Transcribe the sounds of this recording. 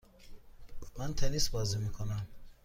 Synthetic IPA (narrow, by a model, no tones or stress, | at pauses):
mant̪ʰɛnisbɔzimikʰonam